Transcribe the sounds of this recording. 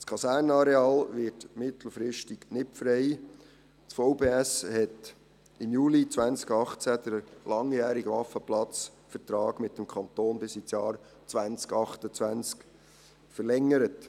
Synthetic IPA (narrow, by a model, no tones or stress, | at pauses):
skʰɑsæːrnɑɾeɑːlʋɪtmɪtl̩fɾɪʃtɪɡnɪtfɾɛɪ | t͡sfoʊbeːæshɛt | ɪmjuːlit͡sʋænt͡skɑχt͡sæd̥̪əɾlɑŋjæːɾiɡʋɑfəplɑt͡sfəɾtɾɑːɡmɪtːəmkʰɑnt̪oːnbɪsit͡sjɑːɾ | t͡sʋænt͡skɑχtət͡sʋænt͡sk | fərlɛŋːəɾət